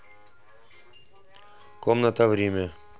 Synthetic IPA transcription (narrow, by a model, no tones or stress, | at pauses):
komnət̪əvɾʲemʲə